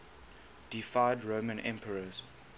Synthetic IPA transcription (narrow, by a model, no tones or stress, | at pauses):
d̥ifaɪdɹoːmə̃nʔɛ̰̃mpʰəɹəz̥